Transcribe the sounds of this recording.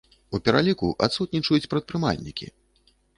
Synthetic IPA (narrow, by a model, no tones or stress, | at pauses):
upʲɛɾalʲikuʔat̪sut̪̚ʲnʲit͡ʂɐjut͡sʲpɾɐt̪̚pɾɨma̰lʲnʲḭkʲḭ